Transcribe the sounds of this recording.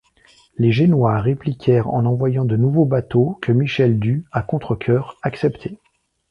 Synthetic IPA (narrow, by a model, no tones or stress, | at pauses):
leʒenwaʁeplikʲʰɛʁɑ̰̃nɑ̃vwajɑ̃d̪ənuvobat̪okʰəmiʃɛld̪yakɔ̃t̪χəkʲʰœːʁaksɛpt̪ʰe